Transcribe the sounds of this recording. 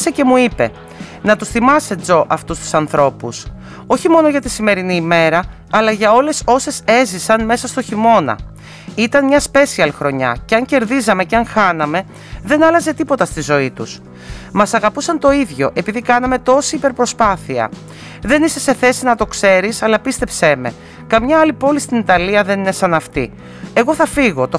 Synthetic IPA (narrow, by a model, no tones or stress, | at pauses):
sece̞muipe̞̰ | nɐt̪usθimɐse̞d͡zo̞ʔɐft̪ust̪u̥sɐnθɾo̞pus | o̞çimo̞no̞ʝɐt̪isime̞ɾiniːme̞ɾɐː | lɐʝɐo̞le̞so̞se̞sezisɐnme̞sɐst̪o̞çimo̞nɐ̰ | it̪ɐnmɲɐspe̞siɐlxɾo̞ɲɐ̰ceɐɲce̞ɾðizɐme̞ceɐŋxɐnɐme̞ | ðe̞nɐlɐze̞t̪ipo̞t̪ɐst̪izo̞it̪us | mɐsɐɣɐpusɐnt̪o̞iðʝo̞̰ʔe̞piðikɐnɐme̞t̪o̞siipe̞ɾpɾo̞spɐθiɐ̰ | ðe̞nise̞se̞θe̞sinɐt̪o̞kse̞ɾisɐlɐpist̪e̞pseme̞̰ | kɐmɲɐɐlipo̞list̪init̪ɐliɐðenine̞sɐnɐft̪ḭ | e̞ɣo̞θɐfiɣo̞t̪o